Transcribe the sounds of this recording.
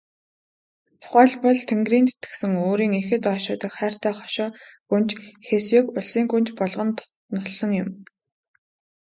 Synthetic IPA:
t̪ʰʊ̥χæːɮpɔɮt̪ʰeŋɡriːnt̪e̥t̪ɡɘ̥̆sɘ̆ŋoːɾiːŋexɘ̆t̪ɔːʃʊːt̪ə̆kχæːr̥t̪ʰæːχɔ̥ʃɔːɡunt͡ɕxeːsjikʊɮsiːŋɡunt͡ɕpɔɮʁɞ̆nt̪ | nʊɮsɞ̆ŋjʊm

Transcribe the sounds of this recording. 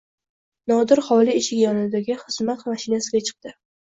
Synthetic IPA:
nɒd̪ɪɾχɒliɪʃɪɡʲjɒnɪd̪aɡʲɪχɨzmat̪maʃɪnasɪɡʲat͡ʃʰɨ̥q̚d̪̥ɪ

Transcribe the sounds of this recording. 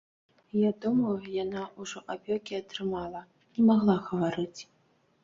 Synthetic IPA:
jad̪ɔmɐjujanauʐɔʔapʲɔkʲiɐt̪ɾɨmalˠɐ | nʲɛmaɣlˠaɣɐvaɾɨt͡sʲ

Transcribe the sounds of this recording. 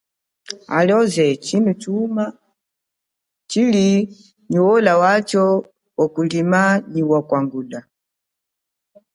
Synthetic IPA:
a̰lɔzɛt͡ʃinut͡ʃuma | t͡ʃili | ɲuwɔlawat͡ʃɔ | wakulimaɲiwakwaŋɡula

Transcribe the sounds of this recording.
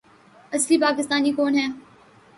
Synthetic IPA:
ɐslipaːkɪst̪aːnikɔːnɦɛː

